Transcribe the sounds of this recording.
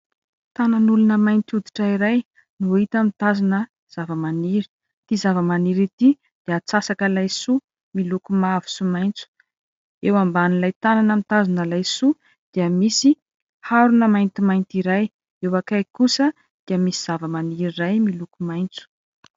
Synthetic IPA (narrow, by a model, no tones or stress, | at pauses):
t̪ananulunəmajnt̪ud̪i̥ʈ͡ʂəiɾaj | nuit̪amit̪azinə | z̥avəmaniɾi̥ | t̪izavəmaniɾit̪i | d̪̥iat͡sasakəlajsu | milukumavu̥sumajnt͡su̥ | ewambanilajt̪ananamit̪azinəlajsu | d̪̥iəmisi | haɾunəmajnt̪imajnt̪iɾaj | ewakajkusə | d̪̥iəmisiz̥avəmaniɾirajmilukumajnt͡su̥